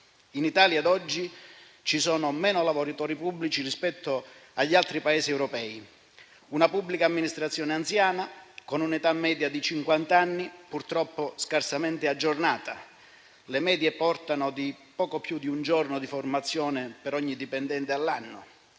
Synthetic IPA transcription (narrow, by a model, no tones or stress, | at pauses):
init̪aːljad̪ɔd͡ʒːi | t͡ʃisɔːnʊmɛːnolavɔɾit̪ɔːɾipublit͡ʃirispɛt̪ʰːoaʎːalt̪ɾipaeːsiɛwɾɔpɛːi | unapubːlikaːmːinist̪ɾat̪sːjɔːneant̪sjaːnakonunit̪amːɛːd̪jad̪it͡ʃiŋkwant̪anːipurt̪ɾɔpːoskarsamɛnt̪ead͡ʒːornaːt̪a | lemɛːd̪jepɔrt̪anod̪ipɔːkopjud̪iund͡ʒɔrnod̪iformat̪sːjɔːnɪpeɾɔɲːid̪ipɛnd̪ɛnt̪ealːanːʊ